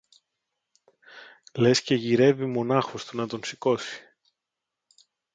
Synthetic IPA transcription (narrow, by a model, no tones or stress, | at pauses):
le̞sce̞ʝiɾe̞vimo̞nɐxost̪unɐt̪o̞nsiko̞si̥